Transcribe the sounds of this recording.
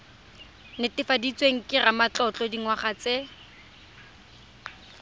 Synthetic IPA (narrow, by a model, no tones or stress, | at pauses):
nɪtɪfadit͡sʼweŋ̩kʼɪramat͡ɬɔt͡ɬʼɔdiŋwaχat͡se